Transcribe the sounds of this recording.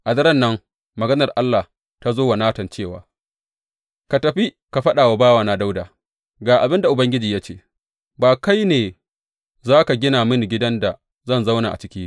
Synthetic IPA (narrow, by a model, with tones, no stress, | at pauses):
ʔa˨dɐ˦ɾɐ˦˨nːɐ˦ŋ | mɐ˨ɡɐ˦nɐ˨rʔa˦lːa˨h | ta˦zoː˦wa˨naː˦tɐ˨nt͡ʃeː˦˨wa̰ː˨ | ka˨tɐ˨ɸi˦ | ka˨ɸɐ˦ɗaː˨wa˨baː˦waː˨na˦da˦wdaː˨ | ɡaː˨ʔa˨bɪ˦nda˨ʔʊ˨bɐ˦ŋɡʲɪ˦d͡ʒiː˨jaː˦t͡ʃeː˦˨ | baː˨ka˦jneː˨ | zaː˦ka˨ɡʲɪ˦naː˨mɪ˦ŋɡʲɪ˦dɐ˦nda˨ | zɐ˦nza˦wna˨ʔa̰˨t͡ʃɪ˦kʲiː˦